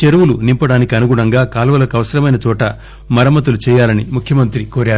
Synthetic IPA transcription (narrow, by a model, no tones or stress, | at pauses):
t͡ʃeɾuʋulunimpɐɽaːnikiɐnuɡuɳɐŋɡaːkaːlɐʋɐlɐkɐʋɐsɐɾɐmɐjnɐt͡ʃ̪ɔːʈɐ | mɐɾɐmɐt̪ɐlut͡ʃɛːjaːlɐnimukʰjɐmɐnt̪ɾikoːɾaːɾuu